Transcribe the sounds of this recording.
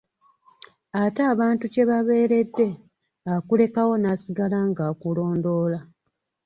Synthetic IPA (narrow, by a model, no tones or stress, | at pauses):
ataːβaːntuce̞βaβe̞ːɾe̞dːe̞ | akule̞kawo̞naːsiɡalaŋɡaːkulo̞ːndo̞ːla